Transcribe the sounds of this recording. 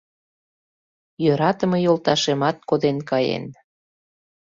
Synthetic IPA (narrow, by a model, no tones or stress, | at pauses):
jøɾɑt̪ə̆mɤjolt̪ɑʃemɑt̪̚kod̪enkɑjḛn